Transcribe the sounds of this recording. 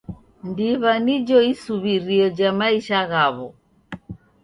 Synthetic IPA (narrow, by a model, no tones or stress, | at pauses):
ndiβanid͡ʒɔisuβiɾiɔd͡ʒamaiʃaɣaβɔ